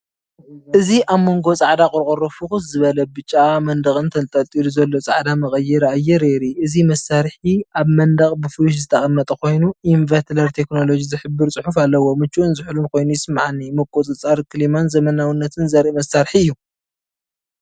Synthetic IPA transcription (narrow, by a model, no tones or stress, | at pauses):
ʔɨziʔaβmːo̞ŋɡo̞t͡sʼaʕd̪akʼʊɾkʼoɾofɨxuszɨβɐlɐbɨt͡ʃʼːamɐnd̪ɐɣʼɨnt̪ʰɐnt̪ʼɐlt̪ʼiluzɐlːo̞t͡sʼa̰ʕd̪amɐχʼɐjːɛɾajɛɾeɾiʔɨzimɐsaɾħiaβmɐnd̪ɐχʼbɨfuwuʃ̬zɨt̪ʰɐχʼɐnːɐt̪ʼɐkʰo̞jnuʔinvɐt̪lɐɾt̪ʰe̞kno̞lo̞d͡ʒizɨħɨbːɨɾt͡sʼɨħufalːɐwo̞mɨt͡ʃːuʔunzɨħulunkʰo̞jnujɪsɨmaʕanːimɐkʼot͡sʼɨt͡sʼaɾkʰɨlimanzɐmɐnawinːɐt̪ʰɨnzɐɾiʔmɐsːaɾħiɨjːu